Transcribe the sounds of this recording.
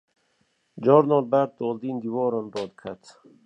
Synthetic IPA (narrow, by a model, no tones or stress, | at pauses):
d͡ʒɔɾnɔlbaɾd̪̚d̪ɔld̪ind̪ivɔːɾɔnbɔːd̪̚kʰat̪